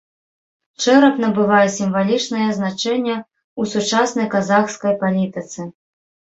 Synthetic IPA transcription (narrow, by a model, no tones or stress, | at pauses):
t͡ʂɛɾɐpnɐbɨvajɛsʲimvalʲit͡ʂnɐjɐznat͡ʂɛnʲːɐ | usut͡ʂasnɐjkazaxskɐjpalʲit̪ɨt̪sɨ